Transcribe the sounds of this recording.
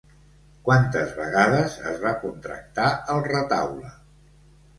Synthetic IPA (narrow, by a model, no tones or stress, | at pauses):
kwant̪əzβə̰ɣaðəzə̰zβakunt̪ɾə̰k̚t̪aəlˠrət̪a̰wlə